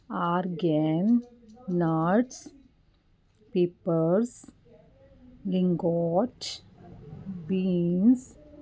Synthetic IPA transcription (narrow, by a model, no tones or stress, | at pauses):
aɾɡennaɾʈs | peːpəɾs | lɪ̃ŋɡɔt͡ʃ | bins